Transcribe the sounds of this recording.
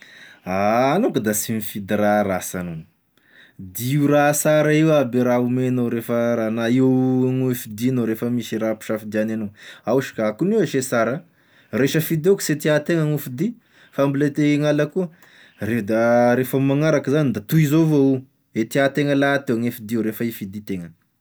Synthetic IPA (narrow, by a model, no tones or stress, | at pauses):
aːnokud̪asinifid̪iɾaɾasano̥ | d̪iuɾasaɾaiwabeɾaumenoɾefəɾanaiwŋefid̪inoɾefəmiʃiɾapi̥ʃafd̪iananoawʃi̥kaakuniweʃesaɾa | reʃəfid̪eku̥set̪iat̪eŋaŋufid̪i | fambilet̪eŋalakuə | red̪aɾefəmaŋaɾakəzanid̪at̪uizovoi | et̪iat̪eŋəlat̪eaŋefid̪iiwɾefəifid̪it̪eŋə